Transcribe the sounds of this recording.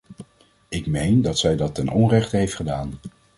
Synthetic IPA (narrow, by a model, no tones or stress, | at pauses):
ɪkmejndɑtsɛjdɑtɛnʔɔnrɛχtəɦejftχədaːn